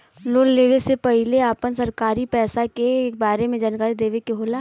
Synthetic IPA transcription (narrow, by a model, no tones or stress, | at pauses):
loːlleːʋesepɐɦɪleaːpənsɐɾkaːɾipɛːsakekbaːɾemẽd͡ʒaːnkaːɾid̪eːʋekeɦoːlaː